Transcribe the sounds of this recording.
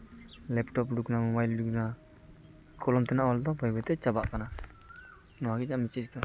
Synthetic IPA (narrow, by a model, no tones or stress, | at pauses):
lɛpʈɔpɖuknamɔbajlɖukna | kʰɔlɔmt̪ɛnaʔwɔld̪ɔbəjbɛt̪ɛt͡ʃabaʔkana | nɔwaɡɛd͡ʒamit͡ʃɛst̪ɔ